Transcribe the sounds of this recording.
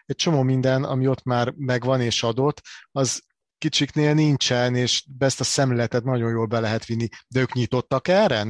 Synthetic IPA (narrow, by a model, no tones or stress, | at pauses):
ɛc̚t͡ʃo̞moːmind̪ɛnɒ̰mio̞t̪ːmaːrmɛɡʋɒneːʃɒd̪o̞t̪ːɒz | kit͡ʃikneːlnint͡ʃɛneːʃbɛst̪ɒsɛmlɛlɛt̪ɛt̪nɒɟo̞jjoːlbɛlɛɦɛt̪ʋinːid̪ɛøːkɲit̪o̞t̪ːɒkɛrɛ